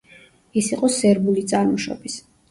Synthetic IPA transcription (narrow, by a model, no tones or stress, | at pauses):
isiqʼɔsɛɾbulit̪sʼaɾmuʃɔ̰bis